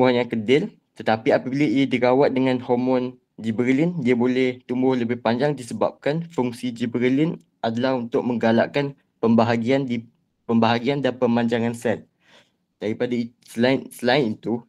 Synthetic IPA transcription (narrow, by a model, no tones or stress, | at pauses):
uɦanjaŋkədɪl | t̪ət̪apiapəbilaiadiɾawat̪̚dəŋãnhɔmɔ̃n | d͡ʒibəɾəlindiabolɛht̪umbʊhləbɪhpaɲd͡ʒaŋdisəba̰p̚kanfuŋsid͡ʒibəɾəlɪn | ʔadəlahunt̪ʊk̚mə̃ŋɡalaʔkan | pəmbaɦaɡiandi | pəmbaɦaɡiandanpəmaɲd͡ʒaŋãnsɛt̪̚ | d̥aɾipadai | səlansəlaɪnit̪u